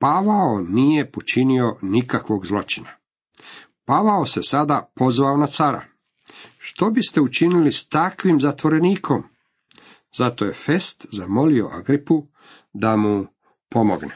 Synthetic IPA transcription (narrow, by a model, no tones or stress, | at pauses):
paʋaonije̞pot͡ʃinio̞nikakʋo̞ɡzlˠo̞t͡ʃina | paʋaose̞sad̪apo̞zʋaonat̪saɾa̰ | ʃt̪o̞bist̪e̞ut͡ʃinilist̪akʋimzat̪ʋo̞ɾe̞niːkʰo̞m | zat̪oje̞fe̞st̪zamo̞lio̞̰ʔa̰ɡɾipu | d̪amu | po̞moɡne